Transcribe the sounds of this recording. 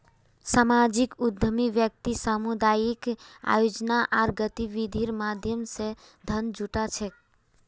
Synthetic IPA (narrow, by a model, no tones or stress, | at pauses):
samad͡ʒikud̪ʱəmiʋjək̚t̪isamud̪ajika̰jod͡ʒnaʔaɾɡət̪iʋid̪ʱiɾmad̪ʱjəmsẽ | d̪ʱənd͡ʒuʈat͡ʃʰɛk̚